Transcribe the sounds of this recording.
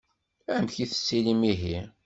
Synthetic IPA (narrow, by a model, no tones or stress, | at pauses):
æmçiθə̥sːilimiɦi